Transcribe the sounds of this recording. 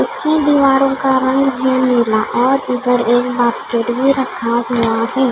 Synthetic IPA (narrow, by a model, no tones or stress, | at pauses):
ʊsked̪iːʋaːɾõkaɾɐ̃ŋɡɦɛ̃mɪlaʔɔːɾɪd̪əɾeːk̚baːskeːʈbʱiɾɐkʰaɦuaɦɛː